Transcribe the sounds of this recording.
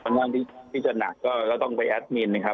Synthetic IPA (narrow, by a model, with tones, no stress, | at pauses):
ɔ˧˩nŋaː˧nt̪ʰiː˥˩t̪ʰiː˥˩t͡ɕa˨˩na˨˩kːɔː˥˩kɔː˥˩t̪ɔ˥˩ŋpa˧jʔɛ˦˥t̪̚miː˧nːa˦˥kʰa˦˥